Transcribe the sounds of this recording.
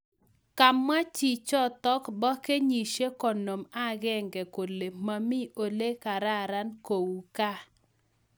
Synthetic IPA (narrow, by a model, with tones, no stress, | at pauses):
ka˨mːa˦t͡ʃi˨t͡ʃɔ˦t̪ɔ˦kbɔ˦ke˦ɲi˨ʃe˦kɔ˨no˨ma˦ɡɛ˦ŋɡɛ˨ko˨le˨ma˨mɪ˦ʔo˨le˦ka˨ɾa˦˨ɾa˦nko˨wu˨ka˦